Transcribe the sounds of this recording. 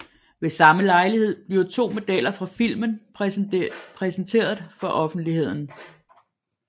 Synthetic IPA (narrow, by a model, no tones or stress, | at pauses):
ʋe̝sɑ̈məlɑ̈ɪlihe̝ð̞̰ˠb̥liɐt͡sʰo̝̰ːmo̝d̥ælɐfʁɑ̈fil̰mən | pʰʁɛsn̩t͡sʰe̝̰ːɐð̞ˠfɒ̽ʔɒ̽fn̩d̥lihe̝ð̞̰ˠn̩